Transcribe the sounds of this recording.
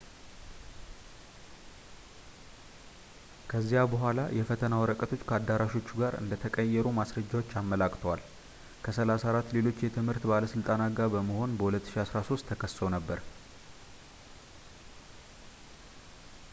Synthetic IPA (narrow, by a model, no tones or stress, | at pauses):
kʰəzːijabəɦʷala̰jɛfət̪ʰənawɔɾəkʼət̪ʰo̞t͡ʃːkʰəad̪aɾaʃo̞t͡ʃːuɡaɾɨ̰nd̪ət̪ʰəkʼəjːɛɾumasɾəd͡ʒːawo̞t͡ʃːamːəlakʼt̪ʰəwal | kʰəsəlasaɾat̪ːle̞lo̞t͡ʃːjɛt̪ʰɨmhɨɾt̪baləsɨlt̪ʼanaɡabəməho̞nbəhulət̪ːɨ̥ʃiasɾaso̞st̪ʰːəkʰəsːonəbːəɾ